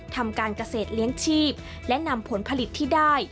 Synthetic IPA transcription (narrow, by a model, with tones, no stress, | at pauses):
t̪ʰa˧mkaː˧nka˧seː˨˩t̪̚li˦˥əŋt͡ɕʰiː˥˩p̚ | lɛ˦˥ʔna˧mpʰo˨˩˦npʰa˧li˨˩t̪ʰːiː˥˩daː˥˩j